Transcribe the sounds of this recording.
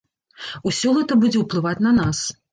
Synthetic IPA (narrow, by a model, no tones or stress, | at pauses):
usʲɔɣɛt̪ɐbud͡zʲɛwplˠɨvat͡sʲnɐnas